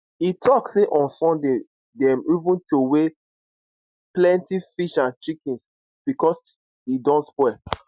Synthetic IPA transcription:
itʰɔkseʔɔ̃nsɔ̃nde | dɛmivũntowe | plɛ̃ntifiʃãnt͡ʃikĩns | b̥ikɔs | idɔ̃ntspwɛ

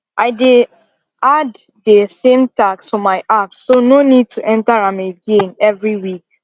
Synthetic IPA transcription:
ʔaɪde | ad | ðəsẽmtakstɔmaɪʔapsononid̚tʰuʔɛ̃ntaɹãmeɡẽnɛvɹiwik̚

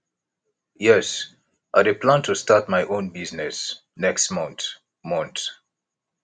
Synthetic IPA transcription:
jɛs | ʔadepʰlãntʰustatmajʔõnbiznɛs | nɛkstmɔ̃nt | mɔ̃nt

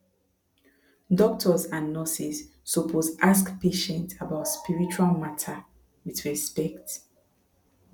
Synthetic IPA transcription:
dɔk̚tʰɔzãnːɔsisː | ɔpʰosaskpʰeʃɛ̃ntʰabaʊtspiɹit͡ʃualmatʰa | wiðɹɛspɛkt

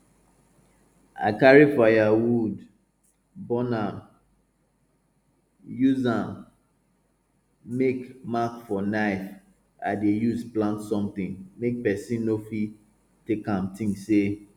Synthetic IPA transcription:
a̰ɪkaɹifajawud | bɔnam | juzãm | mekmakfɔnaɪf | a̰dejuzplãntsɔ̃mt̪ĩŋmek̚pɛsĩnːofi | tekãmtʰĩŋse

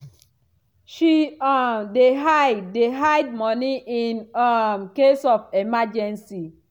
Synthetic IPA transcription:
ʃiamdeɦadeɦajd̚mɔniʔinɔmkesɔfemad͡ʒɛ̃nsi

